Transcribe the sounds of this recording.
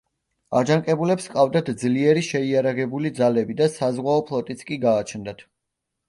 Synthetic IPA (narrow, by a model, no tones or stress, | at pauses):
ad͡ʒaŋkʼɛbulɛpskʼavd̪at̪ʰd̪zliɛɾiʃɛiaɾaʁɛbulid̪zalɛbid̪asazʁwaɔpʰlˠɔt̪ʼit̪sʰkʼiɡaːt͡ʃʰnd̪at̪ʰ